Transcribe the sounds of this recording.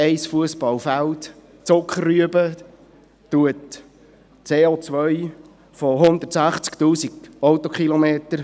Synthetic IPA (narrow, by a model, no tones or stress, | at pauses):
ɛɪsfuəspɑlfælt̪ | t͡sʊkχərːyəbə | t̪uət | t͡seːot͡sʋœʏ | foɦʊnd̪ətsæχt͡skt̪uːsiɡɔʊt̪ɔkʰχilɔmeːt̪əɾ